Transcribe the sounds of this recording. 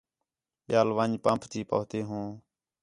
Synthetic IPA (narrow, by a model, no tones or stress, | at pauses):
ɓjaːlʋəɲpəmpʰt̪iːpəːt̪eːɦũː